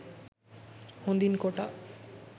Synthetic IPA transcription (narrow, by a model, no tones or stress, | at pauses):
hond̪inkoʈa